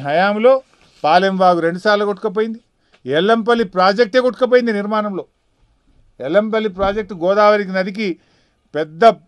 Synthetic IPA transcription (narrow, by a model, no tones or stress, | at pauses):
ɦɐjaːmlo̞ː | paːlemʋaːɡuɾe̞ɳɖusaːɾlɐkoʈːu̥kɐp̬oːjind̪i | ɛlːɐmp̬ɐlːipɾaːd͡ʒek̚ʈe̞ːkoʈːu̥kɐp̬oːjind̪iniɾmaːnɐmlo̞ː | ɛlːɐmp̬ɐlːip̬ɾaːd͡ʒek̚ʈɡɔːd̪aːʋɐɾik̬inɐd̪ik̬i | pɛd̪ːɐ